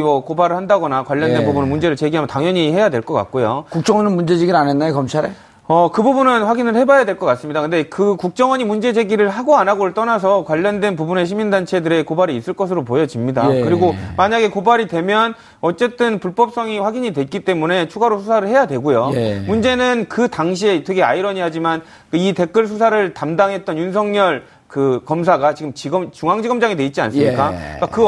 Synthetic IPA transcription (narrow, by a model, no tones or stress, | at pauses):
mʌkobaɾɯɭhandaɡʌnakwaʎːʌndwe̞nbubunɯmund͡ʑe̞ɾɯɭt͡ɕe̞ɡiɦamjʌntaŋjʌɲihe̞jadwe̞ɭk͈ʌk͈a̰k̚k͈ojokuk̚t͡ɕ͈ʌŋʌnɯnmund͡ʑe̞d͡ʑeɡianenːaokʌmt͡ɕʰaɾe̞ | ʌkɯbubunɯnɸwaɡinɯɭhe̞bajadwe̞ɭk͈ʌk͈as͈ɯmɲidakɯnde̞kɯkuk̚t͡ɕ͈ʌŋwʌɲimund͡ʑe̞d͡ʑe̞ɡiɾɯɭɦaɡoanaɡoɾɯɭt͈ʌnas̬ʰʌkwaʎːʌndwe̞np̬ubune̞ɕ̬ʰimindant͡ɕʰe̞dɯɾe̞kobaɾiːs͈ɯɭk͈ʌsʰɯɾopojʌd͡ʑimɲidakɯɾiɡomaɲaɡe̞kobaɾidwe̞mjʌn | ʌt͡ɕ͈e̞t͈ɯnpuɭp͈ʌp̚s͈ʌŋiɸwaɡiɲidwe̞t̚k͈it͈e̞mune̞t͡ɕʰuɡaɾosʰusʰaɾɯɭhe̞jadwe̞ɡojomund͡ʑe̞nɯnkɯtaŋɕʰietʰɯkɡʰea̰iɾʌɲiɦad͡ʑiman | kɯite̞k͈ɯɭs̬ʰus̬ʰaɾɯɭtamdaŋɦe̞t̚t͈ʌnjunsʰʌŋɲʌɭ | kɯkʌms̬ʰaɡat͡ɕiɡɯmt͡ɕiɡʌmt͡ɕuŋaŋd͡ʑiɡʌmd͡ʑaŋidwe̞it̚t͡ɕia̰nsɯmmɲik͈ak͈akɯ